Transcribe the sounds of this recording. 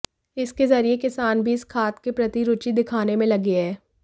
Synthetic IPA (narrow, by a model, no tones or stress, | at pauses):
ɪskezɐɾiekɪsaːnbʱiɪskʰaːt̪kepɾɐt̪iɾʊt͡ʃid̪ɪkʰaːnemẽlɐɡeɦɛː